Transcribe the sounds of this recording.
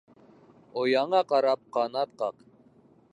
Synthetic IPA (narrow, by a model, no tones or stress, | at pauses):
ojɑɴɑqɑɾɑp̚qɑnɑt̪̚qɑq